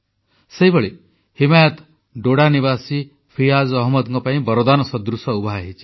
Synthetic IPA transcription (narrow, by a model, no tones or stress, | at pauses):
sejbɔɭi | himajɔt̪ | ɖoɽaniβasi | pʰiazɔɦmɔd̪ɔŋkɔpaĩbɔɾɔd̪anɔsɔd̪ɾusɔubʱaɦit͡ʃʰi̥